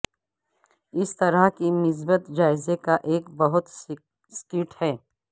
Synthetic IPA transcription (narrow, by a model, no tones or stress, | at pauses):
ɪst̪ɐɾəɦkinɪs̬bət̪d͡ʒaːɪzekaʔeːkbɐɦʊt̪ | skɪʈhɛː